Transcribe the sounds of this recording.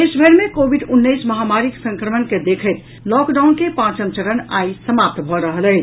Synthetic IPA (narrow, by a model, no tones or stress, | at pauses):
esbʱəɾmekobʱiɖunːəjsməɦamaɾiksə̃ŋkɾəmənked̪ekʰəjt̪ | lɔkɖawnkepãt͡ʃənt͡ʃəɾəna̰jsəmap̚t̪bʱɔɾəɦələt͡ʃ